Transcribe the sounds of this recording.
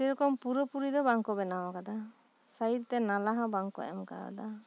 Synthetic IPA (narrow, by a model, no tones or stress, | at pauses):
tiɾɔkɔmpuɾɔpuɾid̪ɔbaŋkɔbɛnawakad̪a | saiɾt̪ɛnalaɦãbaŋkɔ̰ʔɛ̰mka̰ɔ̰d̪a